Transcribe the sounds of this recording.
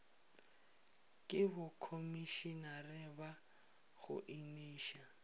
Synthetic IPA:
kʼɪbʊkʰomiʃinarɪba | ɣʊ̰ʔiniːʃa

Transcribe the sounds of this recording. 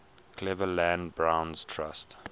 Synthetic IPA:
kʰlɛvəlæ̃nbɹãʊ̃nz̥tʰɹast

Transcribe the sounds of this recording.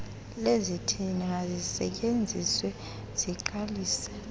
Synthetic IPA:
lezitʰiniŋazisɛ̰c̬ʼend͡zʱiswɛ | z̥iǃaliːsɛ̥

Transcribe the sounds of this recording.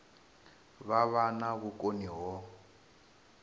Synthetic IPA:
βaβanaɣukʼoniɦɔ

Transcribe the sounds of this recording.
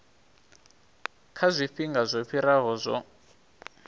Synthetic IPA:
kʰazʷiɸiŋɡazʷɔɸʰiɾaɦɔzʷɔ

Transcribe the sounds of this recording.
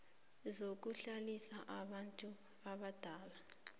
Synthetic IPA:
zok̬uɬalisaʔaβantʼu | aβad̥ʱaːla

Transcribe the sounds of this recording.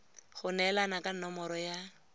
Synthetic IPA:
χʊnɛlanakanɔmɔɾɔja

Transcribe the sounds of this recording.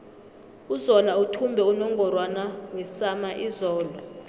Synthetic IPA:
uzɔlautʰumbʱɛunɔŋɡʱɔrwanawɛsamaʔizɔːlwa

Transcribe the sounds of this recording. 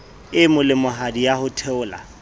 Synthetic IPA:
ɪmʊlɪmʊɦadijahʊtʰɛʊːla̰

